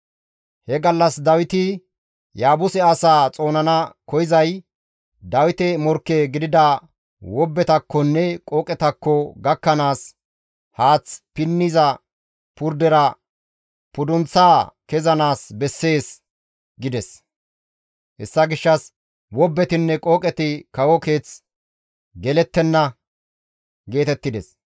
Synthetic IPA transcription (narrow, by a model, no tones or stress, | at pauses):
hɛɡɐlːɐsd̪ɐwɪt̪ɪ | jaːbʊsɛɐsaːt͡sʼo̞ːnɐnɐkɔjɪzɐj | d̪ɐwɪt̪ɛmɔɾkːɛɡɪd̪ɪd̪ɐ | wɔbːɛt̪ɐkːɔnːɛkʼoːkʼɛt̪ɐkːɔɡɐkːɐnaːs | haːt͡spɪnːɪzɐ | pʊɾd̪ɛɾɐ | pʊd̪ʊnt͡sːaːkɛzɐnaːsbɛsːe̞ːs | ɡɪd̪ɛs | hɛsːɐɡɪʃːɐs | wɔbːɛt̪ɪnːɛkʼoːkʼɛt̪ɪkɐwɔke̞ːt͡s | ɡɛlɛt̪ːɛnːɐ | ɡe̞ːt̪ɛt̪ːɪd̪ɛs